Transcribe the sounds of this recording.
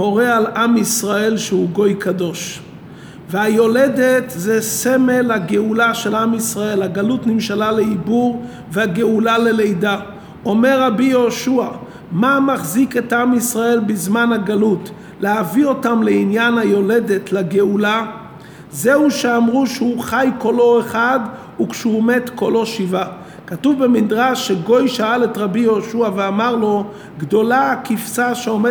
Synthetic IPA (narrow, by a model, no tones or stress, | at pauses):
o̞ʁealamisʁae̞lʃehuɡo̞jkado̞ʃ | veajo̞le̞detzesemelhaɡeulaʃe̞lamisʁae̞lhaɡalutnimʃalale̞ibuʁ | vehaɡeulale̞lejda | o̞meʁabijo̞ʃua | mamaχzike̞tamisʁae̞lbizmanhaɡalut | leavio̞tamleinjanhajo̞le̞de̞tlaɡeula | zeuʃeamʁuʃeuχajko̞lo̞eχad | ukʃehume̞tko̞lo̞ʃiva | katuvbemidʁaʃːeɡo̞jʃaale̞tʁabijo̞ʃuaveamaʁlo̞ | ɡdo̞laakifsaʃeome